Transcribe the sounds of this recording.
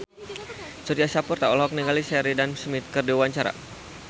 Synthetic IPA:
suɾiasapurt̪aɔlɦɔk̚niɡalisɛɾidansmit̪̚kərdiwwaɲt͡ʃaɾa̰

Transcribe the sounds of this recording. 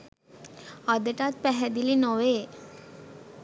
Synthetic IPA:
əd̪əʈat̪̚pɛɦɛd̪ilinoʋe

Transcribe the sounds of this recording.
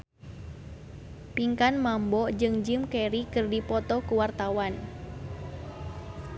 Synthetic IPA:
piŋkanmambɔd͡ʒɨŋd͡ʒɨmkɛɾikɨrdipɔt̪ɔkuwart̪awan

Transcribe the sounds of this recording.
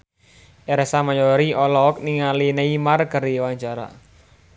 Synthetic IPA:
ʔɛɾɛsamajɔɾiʔɔlɔk̚niŋalineimarkəɾiwaɲt͡ʃaɾa̰

